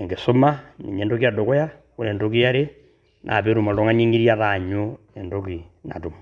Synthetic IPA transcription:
e˨ŋɡe˨so˦ma˦nḭ˨ɲe˨ndo˦ki˦ja˦do˨ko˦ja˦ | ku˨ɾeː˨ndo˦ki˦ja˦ɾe˦ | nʔa̰˨pe˦ɾu˨ma˨lo˦ŋa˦ɲe˦ŋi˦ɾja˦ða˨ɲo˦ | e˨ndo˦ki˨na̰˨to˨m

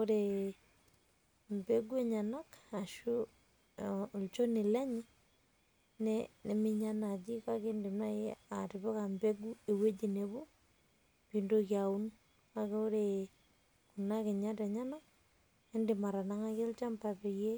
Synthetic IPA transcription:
o˦ɾe˨ | mbe˦ɡu˦e˦ɲa˨na˦ka˨ʃu˦˨ | lt͡ʃo˦nɪ˨lɛ˦ɲɪ˦ | nene˨mi˦ɲa˦na˨d͡ʒi˦ka˦ke˦ndɪ˨mna˦ea˨tɪ˨bɛ˦ka˨mbe˦ɡu˦e˨we˦d͡ʒi˨ne˨bo˦ | pindokja˨u˦n | ka˦ke˦o˦ɾe˨ | ku˨na˦ke˨ɲa˦teɲa˦na˦k | e˦ndɪ˨ma˨ɾa˨na˦ŋa˦ke˦lt͡ʃa˦mpa˨pe˨je˦

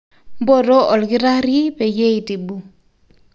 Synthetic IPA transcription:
m˦bo˦˨ɾo˦ɔ˨lɡi˦ɾa˦ɾi˦pe˨je˦i˨ti˨bu˨

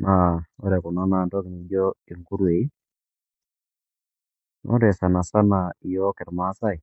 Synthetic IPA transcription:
na˨o˦ɾɛ˨kɔ˨na˦na˨ntɔ˦kɪ˨ni˨d͡ʒɔ˦e˨ŋku˦ɾwe˨i˦ | no̰˦ɾɛ˨sa˨na˨sa˦na˨i˨jɔ˦kɛ˨ɾma˨˦sa˦i˨

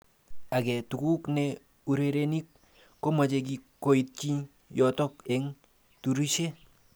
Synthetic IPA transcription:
a˨kɛ˨tu˨ku˦knɛ | u˨ɾe˨ɾe˦ni˦kː | o˦ma˨t͡ʃe˧k̬i˨ko˨i˦t̚ki˦ɲ | jɔ˨tɔ˦kɛ˨ŋ | tu˨ɾi˦ʃe˦

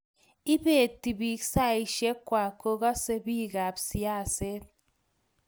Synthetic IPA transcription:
i˦be˨ti˨bi˨ksa˦˨i˨ʃe˦kwa˨ko˦ka˦se˦bi˦˨ɡa˨psi˨a˦˨se˦t̚

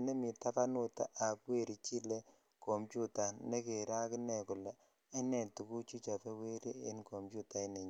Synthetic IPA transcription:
ne˦mi˨ta˦pa˦nu˦˨ta̰˨ʔa˨pwe˦˨ɾi˨t͡ʃi˦le˦ | ko˨mpju˦ta˨ne˦ke˨ɾa˦kɪ˦nɛ˨kʊ˨la˨ | e˦nɛ˨tu˨ku˦t͡ʃi˦t͡ʃa˨pe˦we˦ɾi˦ḛ˦nko˨mpju˦ta˨i˦ne˨ɲ˦

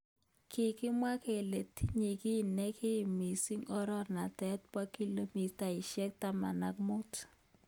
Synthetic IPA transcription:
kʰɪ˨kɪ˦mwa˦ke˨le˨tʰi˦ɲi˨kɪ˦˨nɛ˦kʰɪ˦˨mi˨si˦ŋɔ˦ɾɔ˦na˨tɛ˦t̪̚pa˦ki˦lo˦mi˨ta˨ɪ˨ʃɛ˦k̚ta˦ma̰˨na˨k̚mʊ˦t

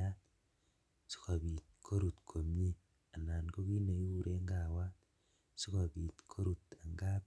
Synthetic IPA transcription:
a˦t | si̥˦ka˨βi˨t̚kʰo˦ɾu˨t̪kʰo˨mje˦ | a˨na˨nko˦ki˦na˨ju˦u˨ɾʔe˦ŋɡa˨wa˦t | si˦ka˨βi˨t̪kʰo˦ɾu˨ta˨ŋɡap

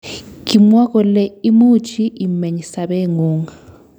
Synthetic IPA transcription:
ki˨mwa˦k̬ɔ˨lɛ˦i˦mu˦t͡ʃʰi˦ʔi˨mɛ˨ɲi˨sa˨ɓɛ˦ŋuː˦ŋa

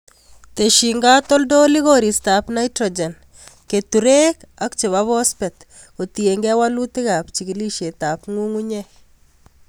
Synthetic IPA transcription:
te˨ʃi˨ŋɡa˦tɔ˦ldo˦li˦ɣo˦ɾi˨sta˨pna˦jtɾɔ˨d͡ʒɛ˨n | ke˨tu˨ɾe˦ka˦kt͡ʃe˨βa˦βɔ˦spɛ˨t | o˨tie˨ŋɡɛ˦wa˦lu˦tɪ˦ɣa˨pt͡ʃi˨ki˨li˦ʃe˨ta˨pŋu˦ŋu˦ɲɛ˦

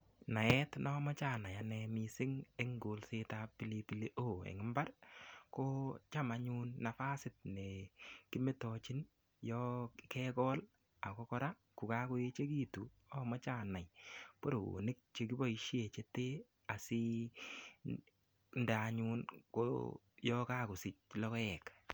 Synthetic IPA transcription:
na˨ɛ˦tnɔ˦mɔ˦t͡ʃa˦˨na˨ja˨nɛ˧mi˨sɪ˦ŋe˦ŋɡo˨lse˦ta˦pi˦li˦pi˦le˦ʔoː˦˨ḛ˨ŋɪ˦mba˦rko˦t͡ʃa˦ma˧ɲu˦nːa˨fa˦sɪ˦t̚ne˨ki˦me˦tɔt͡ʃi˦n | jɔ˦kɛ˦kɔ˦l | a˨kɔ˦kɔ˦ɾa˦ | ku˨ka˦ko˦je˦t͡ʃe˦k̬i˦tu˨ | ɔ˦mɔ˦t͡ʃa˦˨na˨jpo˦ɾo˨o̰˨nɪ˦k̚t͡ʃe˨ki˦bɔ˦i˦ʃe˨t͡ʃe˦te˦ | a˨si˦ | nda˨ɲu˦nko̰ | jɔka˦ko˨sɪ˦t͡ʃ̚lɔ˦kɔ˦ɛ˨k

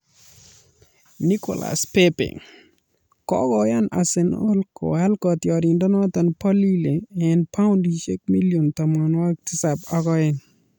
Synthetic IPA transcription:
ni˦kɔ̰˨la̰˨spe˦pḛ˨ | kɔ̰˦kɔ˨ja˦na̰˨se˨no˦lkɔ̰˨a˦lkɔ˨t̪jɔ˨ɾɪ˨ndɔ˦nɔ˦t̪a˨npɔ˦li˦le˨ɛ˨npa˦ʊ˦ndi˨ʃe˦k̚mi˦lijo˨nt̪ɔ˨mɔ˨nwa˦k̚ti˦sa˨pa˨kɔ˦ɪ˨n

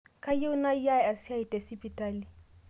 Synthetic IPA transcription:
kʼa˦jɪ˦ʊ˦na˦i˦ja˦ɛ˨a˨si˦a˦i˨tʼɛ˨sɪ˦pʼitʼaː˦li˨

